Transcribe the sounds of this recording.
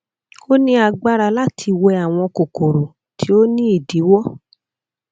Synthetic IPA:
o˦nĩ˦a˧ɡ͡ba˦ɾa˧la˦tʰi˧wɛ˧a˨w̃ɔ̃˧ko˨ko˨ɾo˨ | tʰi˨˦o˦nĩ˦i˦˨di˨˦wɔ˦

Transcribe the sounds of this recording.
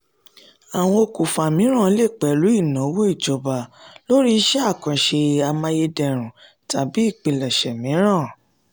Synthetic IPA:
a˨w̃ɔ̃˧o˧ku˨fa˨mĩ˨˦ɾ̃ã˦˨˧le˦˨k͡pɛ˨lu˨˦i˦˨nã˨˦wo˦i˦˨d͡ʒɔ˨ba˨lo˦ɾi˦ʃɛ˦a˦˨kã˨ʃe˧a˧mã˧je˧dɛ˧˨ɾ̃ũ˨ | ta˨˦bi˨˦i˦˨k͡pĩ˧lɛ˨ʃɛ˨mĩ˨˦ɾ̃ã˦˨

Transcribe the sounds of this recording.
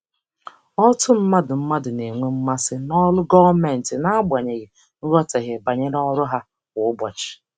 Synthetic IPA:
ɔ˦tʊ˦m̩˦ma˦dʊ˨m̩˦ma˦dʊ˨ne˨ŋʷe˦m̩˦ma˦sɪ˦nɔ˦lʊ˦ɡɔ˦me˨n̩˨tɪ˨na˦a˦bʷa˨ɲe˨ɣɪ˨ | n̩˦ɾɔ˦te˨ɦe˨ba˨ɲe˦ɾɔ˦ɾʊ˦ɦa˦ | wʊ˨ʊ˦bɔ˨t͡ʃɪ̥˨

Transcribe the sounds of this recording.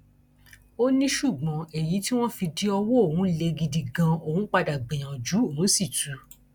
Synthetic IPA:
o˦nĩ˦ʃu˦˨ɡ͡bɔ̃˨e˨ji˨˦ti˦w̃ɔ̃˦fi˧di˦ɔ˧wo˦o˦˨hũ˨˦le˧ɡi˧di˧ɡã˧o˨hũ˨˦k͡pa˧da˨ɡ͡bẽ˨j̃ã˨d͡ʒu˨˦o˨ũ˨˦si˦˨tu˨˦

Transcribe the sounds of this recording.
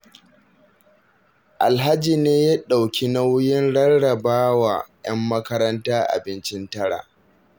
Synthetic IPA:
ʔa˨lɦa˦d͡ʒiː˨neː˦ja˦ɗa˨wkʲʰi˦na˦wjɪ˦nɽɐ˦rɽɐ˨baː˦wa̰ː˨jɐ˦mːɐ˦kɐ˦ɾɐ˦ntaː˦ʔa̰˨bɪ˦nt͡ʃɪ˦ntɐ˦ɽa̰ː˨

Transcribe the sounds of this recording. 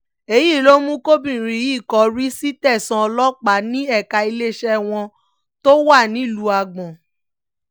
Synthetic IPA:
e˧ji˦˨lo˦mũ˦ko˦bĩ˦˨ɾ̃ĩ˨˦i˦˨kɔ˨˦ɾi˦si˦tɛ˦˨sã˧ɔ˧lɔ˦k͡pa˨˦nĩ˦ɛ˦˨ka˧i˧le˦ʃɛ˦w̃ɔ̃˧ | to˦wa˦˨nĩ˨˦˨lu˨˦a˧ɡ͡bɔ̃˨

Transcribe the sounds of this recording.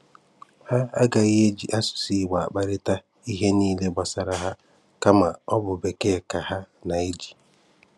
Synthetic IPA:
ha˦a˦ɡa˨i˦ɦe˦d͡ʒi˨ʔa˦sʊ̥˨si˦˨wa˨a˨k͡pa˦ɾɪ˦ta˦ | i˦ɦe˦niː˦le˦ba˨sa˦ɾa˦ɦa˦ | ka˦ma˨ɔ˦bʊ˨be˨ke˦˨ka˨ɦa˦ | na˨e˦d͡ʒi̥˨

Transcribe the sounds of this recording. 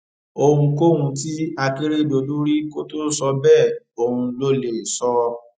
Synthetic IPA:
o˧hũ˧ko˦hũ˧ti˦a˧ke˦ɾe˦˨do˧du˦ɾi˦ko˦to˦sɔ˧bɛ˦˨ | o˧hũ˧lo˦le˨sɔ˧

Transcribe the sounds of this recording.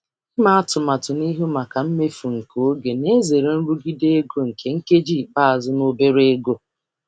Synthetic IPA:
ma˦a˦tʊ˨ma˨tʊ˨ni˦ɦo˦ma˨ka˨m̩˦me˦fu˨ŋ̩˨ko˨o˦ɡe˨ne˦ze˨ɾe˨n̩˦ɾu˦ɡi˦de˦ɡo˦ŋ̩˨kʰe˦ŋ̩˦ke˦d͡ʒi˦˨k͡pa˦a˨zʊ˦no˦be˦ɾe˦ɡo˦

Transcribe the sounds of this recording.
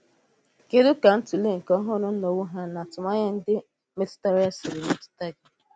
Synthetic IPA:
ke˦dʊ˦ka˨n̩˦tu˨le˦ŋ̩˨kɔ˦ɦʊ˦˨nʊ˦no˨wʊ˦ɦa˦na˨tʊ˨ma˦ɲa˦n̩˦dɪ˦ | me˦tta˦ɾja˦sɪ˨ɾɪ˨me˦tta˦d͡ʒi˨

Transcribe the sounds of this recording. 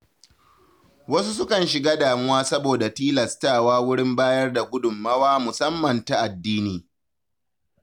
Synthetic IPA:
wɐ˦su˦s̬ʊ˦kɐ˨nʃɪ˨ɡaː˦daː˨mɪ˦waː˦sɐ˦boː˨da˨tiː˦lɐ˨staː˦˨waː˦wʊ˦ɽɪ˦mbaː˦jɐ˦rda˨ɡʷʊ˦dʊ˨mːɐ˦waː˦mʊ˨sɐ˦mːɐ˨nta˨ʔa˨dːiː˦niː˨

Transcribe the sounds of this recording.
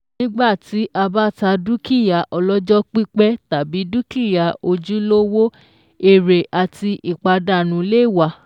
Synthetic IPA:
nĩ˦ɡ͡ba˦˨ti˨˦ʔa˧ba˦˨ta˧du˦ki˦˨ja˨ʔɔ˧lɔ˦d͡ʒɔ˦k͡pi˦k͡pɛ˦ta˨bi˨˦du˦ki˦˨ja˨o˧d͡ʒu˦lo˦wo˦ | e˦˨ɾe˨ʔa˨ti˧ʔi˨k͡pa˧da˨nũ˨˦le˦˨wa˨˧

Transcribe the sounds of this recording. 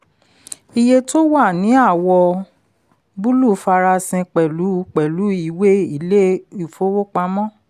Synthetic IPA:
i˧je˧to˦wa˦˨nĩ˨˦a˦˨wɔ˧ | bu˦lu˦˨˦fa˧ɾa˧sĩ˧k͡pɛ˨lu˨˦k͡pɛ˨lu˨˦i˦˨we˦i˦˨le˦u˨fo˦wo˦k͡pa˧mɔ̃˦

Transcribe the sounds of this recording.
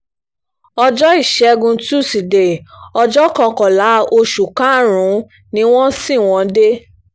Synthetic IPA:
ɔ˧d͡ʒɔ˦i˦˨ʃɛ˨˧ɡũ˧tu˦˨si˨de˨ɔ˧d͡ʒɔ˦kã˧kɔ˨la˨˦o˧ʃu˨kã˦˨ɾ̃ũ˨˦ | nĩ˦w̃ɔ̃˦si˦˨w̃ɔ̃˧de˦

